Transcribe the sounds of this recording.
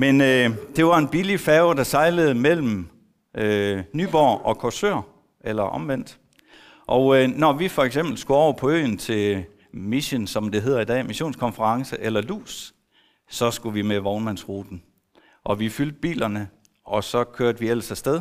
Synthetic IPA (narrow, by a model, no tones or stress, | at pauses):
menød̥e̝ʋɑ̈e̝nb̥ilifɛːʊd̥ɑ̈sɑ̈ɪləð̞̩ˠmel̰m̩ | ønyːb̥ɒ̰ɒ̽kʰɒsø̰ɐ̰ | elɐʔɒ̽mʋen̰d̥ | ʔɒʊnɒʋifɒ̽eɡ̥semb̥l̩sɡ̥uɒʊ̰ɐpʰɒ̽ø̰ːn̩t͡sʰe̝ | miɕənsɒ̽md̥e̝ɦeð̞̰ˠɐid̥ɛ̰ːmiɕo̝̰ːnskʰɒ̽nfəʁɑ̈ŋsəʔelɐlṵːs | sɒ̽sɡ̥uʋimeʋɒʊnmæn̰sʁuːd̥n̩ | ʔɒ̽ʋifyld̥̚b̥ḭːlɐnə | ʔɒ̽sɒ̽kʰøɐd̥əʋiel̰sæsd̥eð̞ˠ